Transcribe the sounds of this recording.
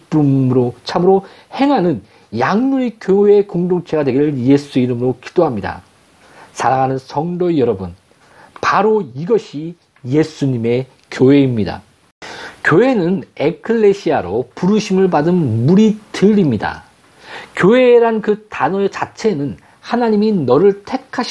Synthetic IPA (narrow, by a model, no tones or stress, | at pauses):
p͈umɾot͡ɕʰamɯɾo | he̞ŋɦanɯn | jaŋnuɾikjoɦekoŋdoŋt͡ɕʰe̞ɡadwe̞ɡiɾɯɭje̞sʰuiɾɯmɯɾoki̥d̥oɦamɲida̰ | sʰaɾaŋanɯnsʰʌŋdʌjʌɾʌbun | paɾoiɡʌɕʰi | je̞sʰuɲime̞ | kʲjoɦe̞imɲida̰ | kjoɦe̞nɯne̞kʰɯɭːe̞ɕʰiaɾopuɾuɕʰimɯɭpadɯnmuɾitɯɾimɲida̰ | kjoɦe̞ːɾankɯtanʌet͡ɕat͡ɕʰe̞nɯn | hanaɲiminʌɾɯɭtʰe̞kʰaɕ